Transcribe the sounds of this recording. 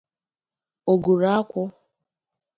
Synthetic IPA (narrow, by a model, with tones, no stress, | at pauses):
o˨ɡu˨ɾa˦a˦kʷʊ˦